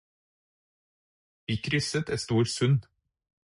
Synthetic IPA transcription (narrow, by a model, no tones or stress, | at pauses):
ʋiːkʰɾʏsət̪eːst̪uːɾsʉn